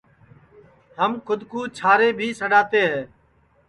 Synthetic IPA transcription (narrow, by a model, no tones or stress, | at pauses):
ɦəmkʰʊd̪ʱkuːt͡ʃʰaːɾeːbʱiːsəɗaːt̪eːɦɛː